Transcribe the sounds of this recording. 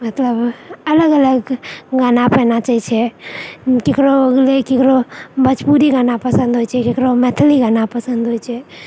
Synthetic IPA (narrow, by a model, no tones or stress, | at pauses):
mət̪ləbələɡələɡɡanapɛnat͡ʃait͡ʃʰɛ | kekɾoəɡlekekɾobət͡ʃpuɾiɡanapəsə̃nd̪ɦojt͡ʃʰɛkekɾomɛt̪ʰəliɡanapəsə̃nd̪ʱɦojt͡ʃʰɛ